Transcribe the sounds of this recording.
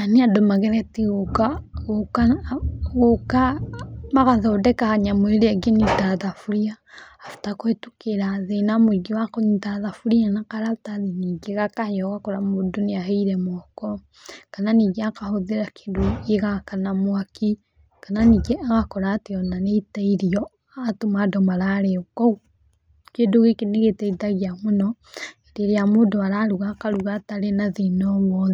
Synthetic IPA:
aneadomaɣeɾɛtiɣokaɣokaɣokamaɣaðɔdɛkahaɲamoeɾeaɡenitaðafuɾiaː | fu̥takoetukeɾaðenamwiɡewakoɲitaðafuɾianakaɾataðiniɡeɣakahjɔɣakoɾamodoniaɦeiɾɛmɔkɔ | kananiːɣeakahoðeɾake̥doeɣakanamwaki | kananiːɡeaɣakɔɾaːteɔnanetaiɾiɔ | atomadɔmaɾaɾeokɔ | kedoɣekeneɣetɛitaɣeamonɔ | eɾeɾeamodoaɾaɾuɣakaɾuɣataɾenaðenɔwɔðɛ

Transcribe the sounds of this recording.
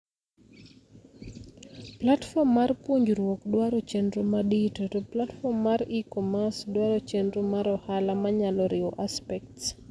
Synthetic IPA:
platfɔmːarpuɲd͡ʒɾwɔkdwaɾot͡ʃendɾomaditotoplatfɔmːaɾikɔmasdwaɾot͡ʃendɾomaɾɔhalamaɲalɔɾɪɔʔaspɛk̚ts

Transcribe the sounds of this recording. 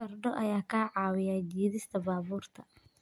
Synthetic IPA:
ɐrɖɔʔɐjaːkʰaːʕɑːwɪjaːd͡ʒiːðɪst̪ʰɐbaːβuːrt̪ʰɐ

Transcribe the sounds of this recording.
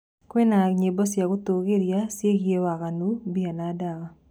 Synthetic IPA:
kwenaɲebɔsjakʊt̪oɡeɾjasjeɡjewakanubianadaka

